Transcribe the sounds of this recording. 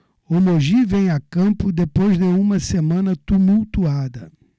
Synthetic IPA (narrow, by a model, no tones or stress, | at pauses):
omoʒivẽj̃akɐ̃mpʊd̪epojzd̪ɪũmɐsemɐ̃nɐt̪umuwt̪uad̪ɐ